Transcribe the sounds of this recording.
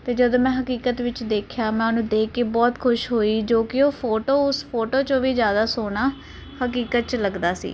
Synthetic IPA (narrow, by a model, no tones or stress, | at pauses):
t̪eːd͡ʒəd̪õːmɛ̃ːɦəkiːkət̪ʋɪt͡ʃd̪eːkʰjaːmɛ̃ːnũːd̪eːkːeːbɔːt̪kʰʊʃɦoːiːd͡ʒoːkɪoːpʰoːʈoːʊspʰoːʈoːt͡ʃõːʋiːzjaːd̪aːsoːɽaː | həkiːkət̪̚t͡ʃləɡd̪aːsḭː